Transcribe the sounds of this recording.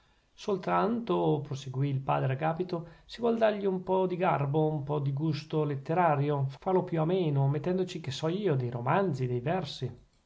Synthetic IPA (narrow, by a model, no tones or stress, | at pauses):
solt̪ɾant̪opɾoseɡwiːlpa̰ːd̪ɾeaɡaːpit̪osivwɔld̪arʎiumpɔd̪iɡarboumpɔd̪iɡust̪olet̪ːeɾaːɾjofalopjuameːnomet̪ːɛnd̪ot͡ʃikesɔiːod̪ejɾomand̪zid̪ejvɛrsi